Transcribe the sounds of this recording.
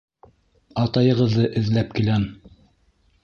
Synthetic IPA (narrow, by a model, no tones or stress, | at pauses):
ɑt̪ɑjɤ̆ʁɤ̆ðːɤʔɘ̆ðlæp̚kilæm